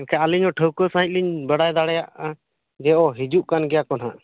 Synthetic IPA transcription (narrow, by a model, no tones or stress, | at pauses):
kʰɛaliɲɔʈʰəwkəsãɦĩc̚liɲbəɽajd̪aɽɛjaʔa | d͡ʒɛʔɔɦid͡ʒuʔkanɡɛjakɔnaʔ